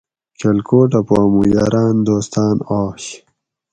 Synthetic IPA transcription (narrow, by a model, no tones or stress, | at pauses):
kʰelkoːʈapaːmujaːɾaːnd̪oːst̪aːnaːɕ